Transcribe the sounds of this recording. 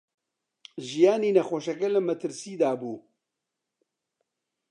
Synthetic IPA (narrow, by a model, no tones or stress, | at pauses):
ʒijaːniːnɐxoːʃɐkɛlɨmɐt̪ʰɨɾsiːd̪aːbuː